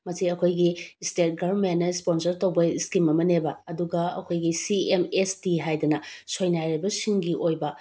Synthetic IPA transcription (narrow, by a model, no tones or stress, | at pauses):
mɐsiɐkʰojɡistet̚ɡɐmentnːɐisponsɐɾtowbɐiskimɐmɐnebɐɐduɡɐɐ̰kʰojɡisiemestiɦajdɐnɐsojnajɾebɐsiŋɡiʔojbɐ